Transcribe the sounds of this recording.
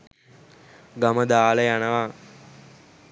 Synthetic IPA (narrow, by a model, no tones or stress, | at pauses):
ɡɐməd̪aːlɐjanɐʋa